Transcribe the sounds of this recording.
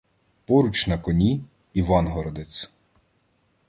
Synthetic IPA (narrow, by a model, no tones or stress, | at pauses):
pɔɾut͡ʃnɐkɔnʲi | iʋɑnɦɔɾɔd̪et͡sʲ